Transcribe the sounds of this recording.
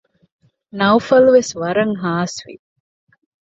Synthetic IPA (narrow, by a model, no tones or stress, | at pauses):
nɐufɐluʋesʋɐɾɐŋɦaːsʋḭ